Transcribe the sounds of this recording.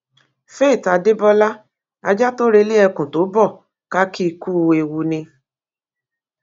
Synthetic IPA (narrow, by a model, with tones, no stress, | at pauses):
fe˦˨ta˧de˦bɔ˦la˦ | a̰˧d͡ʒa˦to˦ɾe˧li˦ɛ˧kũ˨to˨˦bɔ˦˨ | ka˦ki˦˧ku˦˧e˨wu˧nĩ˧